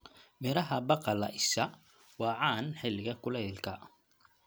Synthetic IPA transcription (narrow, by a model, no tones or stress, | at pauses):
mɛɾɐɦɐbɑqɑlɐʔɪsɐ | wɑːʕɑːnħɪlːɪɣɐkʰʊlɛðɪlkʰɐ